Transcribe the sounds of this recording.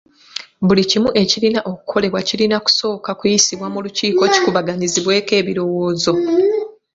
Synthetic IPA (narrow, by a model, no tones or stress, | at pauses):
bulicimuʔe̞cilinaʔo̞ku̥kʰo̞le̞βwacilinaku̥so̞ːkakujisiβwamuluciːko̞ci̥kuβaɡaɲiziβwe̞ːke̞ːβiɾo̞wo̞ːzo̞